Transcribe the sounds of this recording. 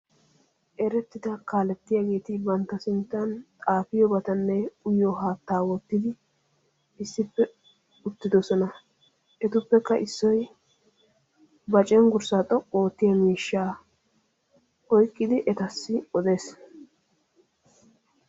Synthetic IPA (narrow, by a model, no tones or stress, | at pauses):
ʔɛɾɛt̪ːɪd̪ɐkaːlɛt̪ːɪjaːɡe̞ːt̪ɪbɐnt̪ːɐsɪnt̪ːɐnt̪ʼaːfɪjɔbɐt̪ɐnːɛʊjɔɦaːt̪ːaːwɔt̪ːɪd̪ɪ | ɪsːɪpːɛ | ʊt̪ːɪd̪ɔsɔnɐ | ʔɛt̪ʊpːɛkːɐʔɪsːɔj | bɐt͡ʃʼɛŋɡʊɾsaːt̪ʼɔkʼːoːt̪ːɪjɐmiːʃːaː | ɔjkʼːɪd̪ɪʔɛt̪ɐsːɪɔd̪eːs